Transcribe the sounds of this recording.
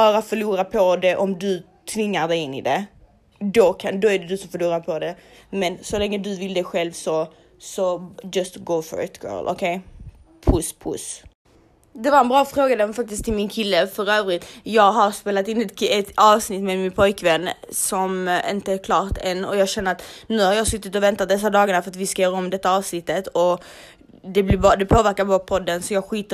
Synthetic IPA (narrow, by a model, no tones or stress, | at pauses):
bɑːɾafœɭuːɾapʰɔd̪ɛʔɔmd̪ɵ | t̪ʰvɪŋːaɾd̪ɛjɪnːɪ̰d̪ɛ | d̪ɔkʰand̪ɔæɖɛd̪ɵsɔmfœɾɭuːɾaɾpʰɔd̪ɛmɛnsɔlɛŋːəd̪ɵvɪld̪ɛɧɛlvsɔ | sɔd͡ʒɑst̪ɡoʊfɔ̰ɾɪ̰t̪ɡ̥ɜ̰ːlʔɔ̰kʰejpʰʊspʰʊ̰s | d̪ɛvaɾɛnbɾɑːfɾoːɡad̪ɛmfak̚t̪ɪskt̪ʰːɪlmɪnkʰɪlːəfœɾøːvɾɪt̪ːjɑːɡɦaɾspeːlat̪ɪnːɛt̪ɛt̪ɑːvsnɪt̪ːmɛːd̪mɪnpʰɔjkvɛnːsɔmɪ̰nt̪əæɾkʰlɑːɾt̪ɛnːɔjɑːɡɕɛnːəɾat̪nʉ̟ːhaɾjɑːsɵt̪ːɪt̪ɔvɛnt̪at̪̚d̪ɛs̬ːad̪ɑːɡaɳafœɾat̪vɪskajœːɾaɔmd̪ɛt̪ːaɑːvsnɪt̪ːət̪ɔ | d̪ɛblɪbd̪ɛpʰoːvæɾkaɾbɑːɾapʰɔd̪ːənsɔjɑːɡɧiːt̪ə